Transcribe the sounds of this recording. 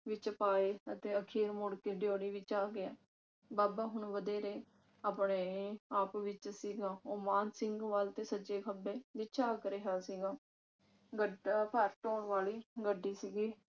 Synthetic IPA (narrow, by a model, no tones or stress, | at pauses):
ʋɪt͡ʃəpaːeːət̪eːəkʰiːɾmʊɽkeːɖjoːɽiːʋɪt͡ʃaːɡɪaː | baːbaːɦʊɳʋəd̪eːɾeː | aːpɳeːaːpʋɪt͡ʃsiːɡaːoːmaːnsɪŋɡʋaːlt̪eːsəd͡ʒeːkʰəbeːd̪ɪt͡ʃʰaːkəɾeɦaːsiːɡaː | ɡəpəɾʈoːɳʋaːliːɡəɖːiːsiːɡiː